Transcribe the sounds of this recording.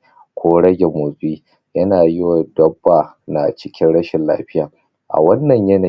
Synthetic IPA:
kʷoː˦ɽɐ˦ɡʲe˨mo˨sʼiː˦ | jɐ˦naː˨jɪ˦wa˨dɐ˦bːaː˨ | na̰˨t͡ʃɪ˦kʲɪ˦nɽɐ˦ʃɪ˨nla̰ː˦ɸɪ˦jaː˨ | ʔa̰˨wɐ˦nːɐ˨ɲjɐ˦na˨

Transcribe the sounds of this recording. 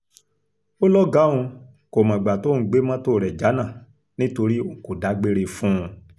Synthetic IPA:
o˦lɔ˦ɡã˨˦ũ˧ | ko˨mã˨ɡ͡ba˨to˨˦n̩˦ɡ͡be˦mã˦to˦˨ɾɛ˨d͡ʒa˨˦nã˦˨ | nĩ˦to˧ɾi˦o˦˨ko˨da˨˦ɡ͡be˦ɾe˧fũ˦˧

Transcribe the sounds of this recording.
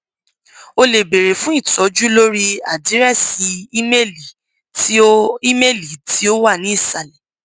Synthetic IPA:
o˧le˨be˨ɾe˨fũ˨˦i˦˨tɔ˨˦d͡ʒu˦lo˦ɾi˦a˨di˨˦ɾɛ˦˨si˨˦i˦me˦˨li˨ | ti˦i˦me˦˨li˨ti˨˦o˦wa˦˨nĩ˨˦i˦˨ʃa˨lɛ˨

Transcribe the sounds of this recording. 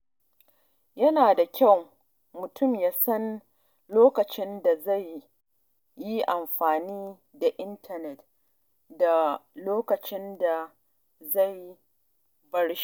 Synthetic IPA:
jɐ˦naː˨da˨kʲa˦˨w | mʊ˨tʊ˦˨mjaː˦sɐ˦n | loː˦kɐ˨t͡ʃɪ˦nda˨za˦˨jː | i˦ʔa˨mɸaː˨niː˦ | da˨ʔɪ˦ntʰɐ˨nɛ˨t | da˨loː˦kɐ˨t͡ʃɪ˦nda˨ | za˦˨j | bɐ˦ɽʃ

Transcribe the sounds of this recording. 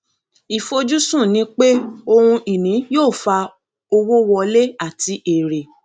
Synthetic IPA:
i˨fo˧d͡ʒu˦sũ˦˨nĩ˨˦k͡pe˦o˧hũ˧i˨nĩ˨˦joː˦˨fa˧ | o˧wo˦wɔ˧le˦a˦˨ti˧ʔe˨ɾe˨

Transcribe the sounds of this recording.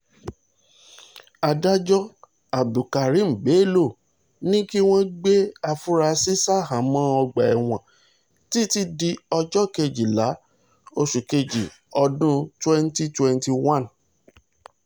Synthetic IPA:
a˧da˦d͡ʒɔ˦ | a˨bu˨ka˨ɾi˨˦m̩˨ɡ͡be˨˦lo˦˨ | nĩ˦ki˦w̃ɔ̃˦ɡ͡be˦a˧fu˦ɾa˧si˦sa˦hã˨˦mã˦ɔ˧ɡ͡ba˨ɛ˨w̃ã˨ | ti˦ti˦di˧ɔ˧d͡ʒɔ˦ke˧d͡ʒi˨la˨˦ | o˧ʃu˨ke˧d͡ʒi˨ | ɔ˧dũ˦twɛ̃˦n˦ti˦twɛ̃˦˧n˦ti˧wã˦˨n

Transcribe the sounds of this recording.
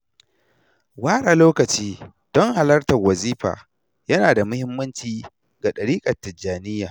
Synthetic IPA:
waː˦ɽaː˨loː˦kɐ˨t͡ʃiː˦ | d̥ɔ˦ŋha˨lɐ˦rtɐ˨rwɐ˨ziː˦ɸa̰ː˨ | jɐ˦naː˨da˨mʊ˦hɪ˦mːɐ˦nt͡ʃiː˦ | ɡa˨ɗɐ˨ɽiː˦kʼɐ˨tːɪ˨d͡ʒaː˨nɪ˦jːaː˨

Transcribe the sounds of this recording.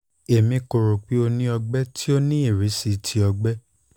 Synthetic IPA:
e˨mĩ˧ko˨ɾo˨k͡pi˨˦o˧nĩ˦ɔ˧ɡ͡bɛ˦tʰi˦o˦nĩ˦i˦˨ɾi˨˦si˧tʰi˧˦ɔ˧ɡ͡bɛ˦

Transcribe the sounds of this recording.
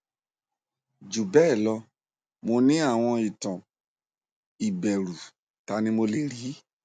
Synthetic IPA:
d͡ʒu˨bɛ˦˨lɔ˧ | mo˧nĩ˦a˦˨w̃ɔ̃˧i˨tɔ̃˨ | i˨bɛ˨ɾu˨ | ta˧˦nĩ˦mo˧le˨ɾi˨˦

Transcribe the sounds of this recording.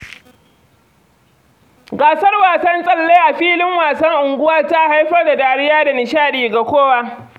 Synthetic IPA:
ɡaː˨sɐ˦rwaː˨sɐ˦nsʼɐ˦lːeː˦ʔa˨ɸiː˦lɪ˦ŋwaː˨sɐ˦ŋʔʊ˨ŋɡʷʊ˦wɐ˦rta˦ha˦jɸɐ˦rda˨daː˨ɽɪ˦jaː˦da˨nɪ˨ʃaː˦ɗiː˨ɡa˨kʷoː˦waː˦

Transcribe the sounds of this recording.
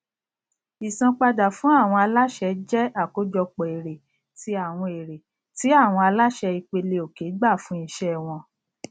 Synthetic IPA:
i˨sã˧k͡pa˧da˨fũ˨˦a˦˨w̃ɔ̃˧a˧la˦ʃɛ˧d͡ʒɛ˦a˦˨ko˨˦d͡ʒɔ˧k͡pɔ˨e˨ɾe˨ | ti˧a˨w̃ɔ̃˧e˨ɾe˨ | ti˨˦a˦˨w̃ɔ̃˧a˧la˦ʃɛ˧i˧k͡pe˧le˧o˨ke˨˦ɡ͡ba˦˨fũ˦i˦˧ʃɛ˦˨w̃ɔ̃˧

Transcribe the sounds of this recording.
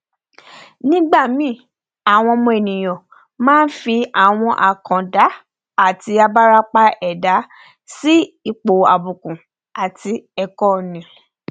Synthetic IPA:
nĩ˦ɡ͡ba˦˨mĩ˨˦ | a˨w̃ɔ̃˧mɔ̃˧ɛ˨nĩ˨j̃ɔ̃˨ | mãː˦n̩˦fi˧a˨w̃ɔ̃˧ʔa˨kã˨da˨˦ | a˦˨ti˧a˧ba˦ɾa˧k͡pa˧ɛ˨da˨˦ | si˦i˦˨k͡po˨a˨bu˨kũ˨ | a˨ti˧ɛ˧kɔ˦˨nĩ˨

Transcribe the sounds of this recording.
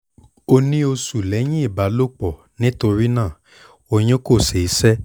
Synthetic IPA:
o˧nĩ˦o˧su˨lɛ˨˦j̃ĩ˦i˦˨ba˨˦lo˦˨k͡pɔ˨ | nĩ˦to˧ɾi˦nãː˦˨ | o˧j̃ĩ˦ko˦˨se˨i˨˦sɛ˦

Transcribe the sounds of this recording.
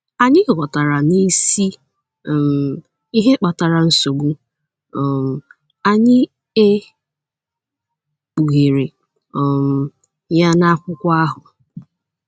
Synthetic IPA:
a˨ɲɪ˦˨ɣɔ˨ta˨ɾa˨ni˦si˦˨ | m˨ | i˦ɦe˦k͡pa˨ta˨ɾa˨n̩˦so˨ɡu˦ | ɔ˨m˨ | a˨ɲɪ˦ | e˦ | k͡pu˨ɣe˨ɾe˨ | ɔ˨m̩˨ | ja˦na˦kʷʊ˦kʷa˦a˦ɦʊ˨

